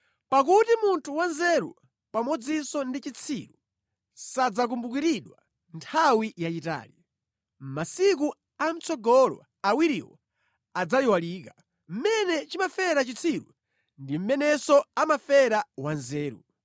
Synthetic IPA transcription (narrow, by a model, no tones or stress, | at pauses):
pak̬utimuntʰuwanzɛɾṵ | pamɔd͡zisɔndit͡ʃit͡sʰiɾu | sad͡zak̬umbukiɾiɗwa | ntʰawijat͡ʃita̰ːli | masik̬u | am̩t͡sʰɔɡɔlɔ̰ | awiɾiwɔ | ad͡zajiwaliːka | m̩mɛnɛt͡ʃimafɛɾat͡ʃit͡sʰiɾṵ | ndim̩mɛnɛsɔamafɛɾawanzɛːɾṵ